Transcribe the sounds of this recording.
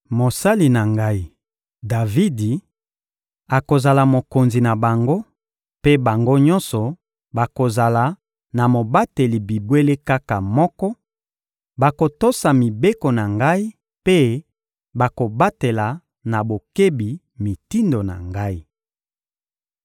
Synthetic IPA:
mo˨sa˦li˨na˨ŋɡa˦i˦ | da˨vi˦di˨ | a˨ko˨za˨la˨mo˨ko˨nzi˨na˨ba˨ŋɡo˦ | pe˦ba˨ŋɡo˦ɲɔ̃˦nsɔ˨ | ba˨ko˨za˨la˨ | na˨mo˨ba˦te˨li˨bi˨bwe˦le˦ka˦ka˨mɔ˦kɔ˦ | ba˨ko˨to˦sa˨mi˨be˦ko˨na˨ŋɡa˦i˦ | pe˦ | ba˨ko˨ba˦te˨la˨ | na˨bo˨ke˦bi˨ | mi˨ti˦ndo˨na̰˨ŋɡa˦i˦

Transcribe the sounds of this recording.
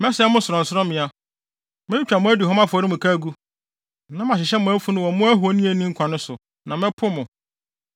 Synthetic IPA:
mɛ̃˦sɛ˨˦mʊ̃˦sʊ˨ɾɔ̃˨n̩˨sʊ˦ɾɔ̃˦mɪ̃˨a˨ | mɪ̃˦t͡ɕᶣa˨mʊ̃˦æ˦di˨ɦɔ̃˦ma˦fʊ˨ɔ˨ɾɪ˦mʊ̃˨kʰa˦ɡu˦ | nã˦m˦a˨ɕɪ˨ɕɛ˦mʊ̃˨æ˦fu˦nʊ̃˦wɔ˨mʊ̃˦æ˦ɦu˨o˦nĩ˦e˨nĩ˦ŋ̩˦kʷʰã˨nʊ̃˦sʊ˨ | nã˨mɛ̃˦pʰʊ˦mʊ̃˨

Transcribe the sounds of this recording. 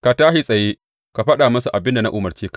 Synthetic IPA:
ka˨taː˦ɦi˦sʼɐ˨jeː˦ | ka˨ɸɐ˦ɗaː˨mɐ˦su˨ʔa˨bɪ˦nda˨na˦ʔʊ˨mɐ˨rt͡ʃeː˦ka˨

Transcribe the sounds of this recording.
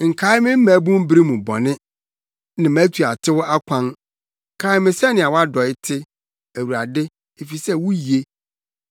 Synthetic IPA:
ŋ̩˨kʰa˨˦ɪ˦mɪ̃˦m̩˦mæ̃˨˦bũ˦m˦bɾi˦mũ˨bɔ̰˨nɪ̃˦ | nã˨mæ̃˨˦tʰu˨a˨tʰɪ˦wʊ˦a˦kʷʰã˦n | ŋ̩˨kʰa˨˦ɪ˦mɪ̃˦sɛ˦nɪ̃˨a˨wa˦dɔ˨ɪ˦tʰɪ˦ | æ˨wu˨ɾa˨dɪ˦ | e˨fi˨sɛ˦wʊ˦ji˨e˦

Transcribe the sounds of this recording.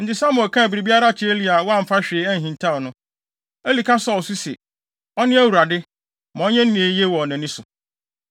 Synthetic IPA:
n̩˨tɪ˨sã˦mʊ̃˨kʰã˦æ˨bɾi˨bi˦a˦ɾa˦t͡ɕʰe˦e˦li˦a˨wɔ˦ã˦m̩˨fa˦ɕᶣeː˨˦æ˦n̩˨ɦĩ˨ntʰa˦ɔ˨nʊ̃˦ | æ˦li˨kʰa˦sa˦ɔ˨su˦sɛ̰˨ | ɔ˦nɪ̃˦æ˦wu˨ɾa˨dɪ˦ | mã˨ɔ˦ɲɛ̃˦n̩˦nĩ˨e˨˦jɛ˦wɔ˨ɔ˨nã˨nɪ̃˦sʊ˨

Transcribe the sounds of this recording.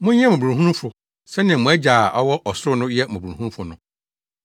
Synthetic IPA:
mʊ̃˦ɲ˦ɛ̃˦mʊ̃˨bu˨ɾũ˨ɦũ˦nũ˦fʊ˨ | sɛ˦nɪ̃˨ɛ̃˨mʊ̃˨ɛ˦d͡ʑa˨ʔɔ˦wɔ˦ʔɔ˨sʊ˦ʊ˦nʊ̃˦jɛ˦mʊ̃˨bũ˨hũ˦fʊ˨nʊ̃˦

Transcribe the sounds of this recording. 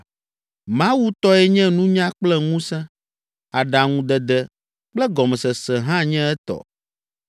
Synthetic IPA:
mã˦wu˦t̪ɔ˦ɛ˦ɲɛ̃˦nũ˦ɲã˦k͡plɛ˦ŋũ˦sɛ̃˦ | a˨ɖa˨ŋũ˦d̪ɛ˨d̪ɛ˦ | k͡plɛ˦ɡɔ˨mɛ˨sɛ˨sɛ˨ɦã˦ɲɛ̃˦ɛ˦t̪ɔ̰˨

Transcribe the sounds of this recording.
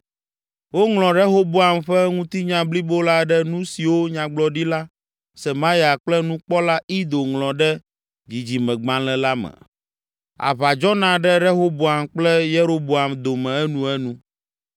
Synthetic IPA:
wo˦ŋlɔ̃˨ɾɛ˦ɦo˦bo˦a˨mɸɛ˦ŋũ˦t̪i˦ɲã˨bli˦bo˦la˦ɖɛ˦nũ˦si˨wo˦ɲã˨ɡ͡blɔ˨ɖi˦la˦ | sɛ˨mã˦ja˨k͡plɛ˦nũ˦k͡pɔ˦la˦i˦d̪o˨ŋlɔ̃˨ɖɛ˦ | d͡ʑi˨d͡ʑi˨mɛ̃˨ɡ͡bã˨lɛ̃˨la˦mɛ̰˨ | a̰˨βa˨d͡ʒɔ˦nã˨ɖɛ˦ɖɛ˦ɦo˦bo˨a˨mk͡plɛ˦je˦ɾo˦bo˨a˨md̪o˨mɛ̃˨ɛ˦nũ˦ɛ˦nũ˦

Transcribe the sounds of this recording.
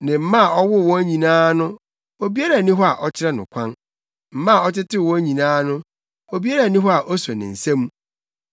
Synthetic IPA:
nɪ̃˨m̩˦mã˦˨ɔ˦wʊ˦˨wɔ̃˦æ˦ɲĩ˨nãː˦nʊ̃˦ | o˨bi˦a˦ɾa˨nĩ˦ɦɔ˦a˨ʔɔ˦t͡ɕʰɪ˦ɾɛ˦nʊ̰̃˨kʷʰã˦n | m̩˨mã˦˨ɔ˦tɪ˦tʰɪ˦˨wɔ̃˦æ˦ɲĩ˨nãː˦nʊ̃˦ | o˨bi˦a˦ɾa˨nĩ˦ɦɔ˦a˨ʔɔ˦sɔ˨nɪ̰̃˨n̩˨sɛ̃˦m˦

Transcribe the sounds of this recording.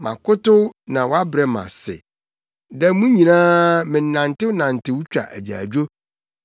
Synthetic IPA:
mã̰˨kʊ˦tʊ˦nã˨wɔ˦a˦bɾɛ˨mã̰˨sɪ̰˨ | dɛ˦mũ˦ɲĩ˨nãː˦mɪ̃˨n˨nã˨n˨tɪ˦wʊ˦nã˨n˨tɪ˦wʊ˦t͡ɕᶣa̰˨ʔæ̰˨d͡ʑa̰ː˨d͡ʑᶣo˦

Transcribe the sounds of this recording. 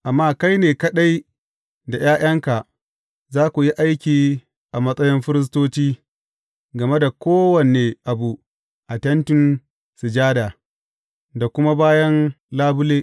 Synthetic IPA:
ʔa˨mːaː˦ka˦jneː˨kɐ˦ɗa˦j | da˨jaː˦j̰ɐ˦ŋka˨ | zaː˦kʷu˨ji˦ʔa˦jkʲiː˨ | ʔa˨mɐ˦sʼɐ˦jɔ˦mɸɪ˦ɾɪ˦s̬toː˦t͡ʃiː˦ | ɡɐ˨me˦da˨kʷoː˦wɐ˨neː˨ʔa˨bu˨ | ʔa˨tɐ˦ntɪ˦n | sɪ˨d͡ʒaː˦daː˨ | da˨kʷʊ˦ma˦baː˦jɐ˦n | laː˦bʊ˦leː˦

